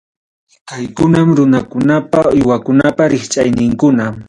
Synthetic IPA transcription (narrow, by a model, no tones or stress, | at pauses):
kajkʊnamɾʊnakʊnapaʊjwakʊnapaɾɪχt͡ʃʼajnɪŋkʊnam